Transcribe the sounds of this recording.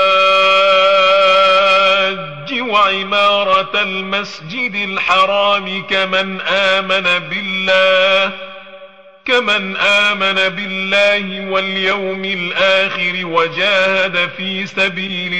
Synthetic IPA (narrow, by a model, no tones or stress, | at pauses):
d͡ʒːɪwaʕɪmɑːɾˤɑlmasd͡ʒɪd̪ɪlħɑɾˤɑːmɪkamanʔaːmanabɪlːaː | kamanʔaːmanabɪlːaːhɪwaljawmɪlʔaːxɪɾɪwad͡ʒaːhad̪afiːsabiːlɪ